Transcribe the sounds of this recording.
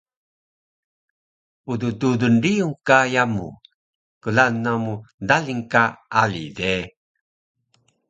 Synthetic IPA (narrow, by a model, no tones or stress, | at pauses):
udududundiuŋkajamṵ | kəlanːamudaliŋkaalḭde